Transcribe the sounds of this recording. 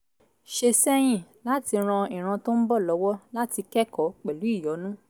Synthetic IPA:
ʃe˧sɛ˦j̃ĩ˦˨la˦ti˧ɾ̃ã˧i˨ɾ̃ã˧to˦n̩˦bɔ˦˨lɔ˨˦wɔ˦la˦ti˧kɛ˦kɔ˨˦k͡pɛ˨lu˨˦i˦˨jɔ˨˦nũ˦

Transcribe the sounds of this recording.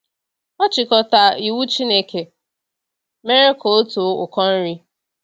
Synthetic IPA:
ɔ˦t͡ʃɪ˨kɔ˨ta˨i˨wu˦t͡ʃi˦ne˦˨kʰe˨ | me˦ɾe˦ko˨o˦tu˨˦ʊ̰˨kɔ˦n̩˦ɾi˦

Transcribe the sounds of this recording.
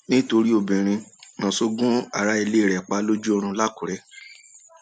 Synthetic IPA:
nĩ˦to˧ɾi˦o˦˨bĩ˨ɾ̃ĩ˧nã˨so˧ɡũ˦a˨ɾa˦i˧le˦˨ɾɛ˨k͡pa˨˦lo˦d͡ʒu˦o˧ɾ̃ũ˧la˦ku˨ɾɛ˦

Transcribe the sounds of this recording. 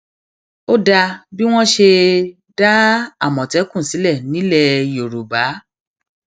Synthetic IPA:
o˦da˧bi˦w̃ɔ̃˦ʃe˧ | da˦a̰˦˨mɔ̃˨tɛ˨˦kũ˦˨si˨˦lɛ˦˨nĩ˨˦lɛ˦˧jo˨ɾo˨ba˨˦

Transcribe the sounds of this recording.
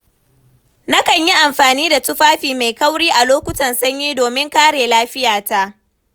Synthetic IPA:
na˦kɐ˨ɲji˦ʔa˨mɸaː˨niː˦da˨tʊ˦ɸaː˦ɸiː˨ma˨jkɐ˦wɽiː˦ʔa˨loː˦kʷʊ˦tɐ˨nsɐ˦ɲjiː˦doː˨mɪ˦ŋkaː˦ɽeː˨laː˦ɸɪ˦jaː˨ta˦ʔ

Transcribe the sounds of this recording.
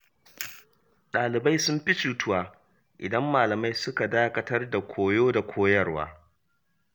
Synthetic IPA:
ɗaː˨lɪ˨ba˦jsʊ˦mɸɪ˦t͡ʃuː˦tʊ˦waː˨ | ʔɪ̰˨dɐ˦mːaː˨lɐ˨ma˦jsʊ˦ka˨daː˦kɐ˦tɐ˦rda˨kʷʰoː˨joː˦da˨kʷʰoː˦jɐ˦rwa̰ː˦

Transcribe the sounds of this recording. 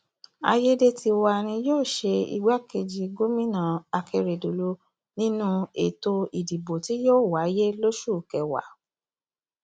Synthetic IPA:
a̰˧je˦de˦tʰi˧wa˧ɾ̃ĩ˧joː˦˨ʃe˧ḭ˧ɡ͡ba˦ke˧d͡ʒi˧ɡo˦mĩ˦nã˦˨a˧ke˧ɾe˨do˨lu˧˦ | nĩ˦nũ˦ḛ˨to˧i˨di˨bo˨ti˨˦joː˦˨wa˨˦je˦lo˦ʃu˦˨kɛ˨wa̰˨˦

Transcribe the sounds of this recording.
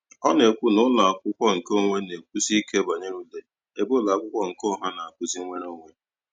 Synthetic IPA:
ɔ˦ne˨kʷu˦nʊ˦la˨a˨kʷʊ˦kʷɔ˦ŋ̩˨ko˦˨ŋʷe˦ne˨k̚ʷu˦si˦ke˦ba˨ɲe˦ɾu˦le˦ | e˨bo˦˨la˨kʷʊ˦kʷɔ˦ŋ̩˨ko˦˨ɦa˦na˨a˨kʊ˦zi˦ŋʷe˦ɾo˦ŋʷe˦

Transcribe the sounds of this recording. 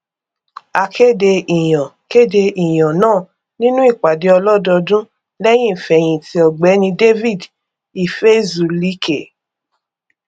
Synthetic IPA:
a˧kʰe˦˨de˧i˨j̃ã˨ | ke˦˨de˧i˨j̃ɔ̃˨nãː˦˨ | nĩ˦nũ˦i˦˨k͡pa˨de˨˦ɔ˧lɔ˦dɔ˧dũ˦ | lɛ˦j̃ĩ˦˨fɛ˨j̃ĩ˨ti˧˦ɔ˨ɡ͡bɛ˨˦nĩ˧de˦vi˦˨d | i˨fe˦zu˨li˨˦kʰe˨

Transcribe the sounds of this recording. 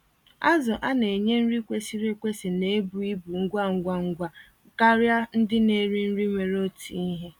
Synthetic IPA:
a˦zʊ˨ʔa˦ne˨ɲe˦n̩˦ɾi˦kʷe˦si˦ɾe˦kʷe˦si˨ne˨˦e˦bu˨i˦bu˨ŋ̩˦ɡʷa˦ŋ̩˨ɡʷa˨ŋ̩˨ɡʷa˨ | ka˦ɾja˦n̩˦dɪ˦ne˨ɾi˦n̩˦ɾi˦ŋʷe˨ɾo˦tʰḭ˨i˦ɦe˦

